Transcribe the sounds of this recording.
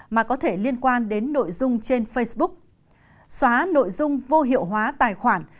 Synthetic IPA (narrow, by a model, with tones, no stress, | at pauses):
maː˨˩kɔ˨˦t̪ʰe˧˩li˧ənkwaː˧nɗe˨˦nːo̰˧˨jzʊ˧ŋ͡mt͡ɕe˧nfə˧jsɓʊ˦˥k̚ | swaː˨˦no̰˧˨jzʊ˧ŋ͡mvo˧ɦḭ˧˨əwɦwaː˨˦t̪aː˨˩jxwaː˧˩n